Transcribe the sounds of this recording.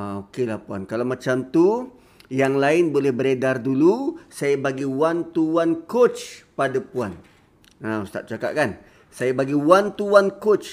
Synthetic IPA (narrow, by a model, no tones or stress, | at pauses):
aokelahpuankalamãt͡ʃamt̪u | jaŋlaɪnbolɛhbəɾedardulusajabaɡiwant̪uwankot͡ʃpadapuan | aust̪a̰ʔt͡ʃaka̰ʔkan | sajabaɡiwant̪uwankot͡ʃ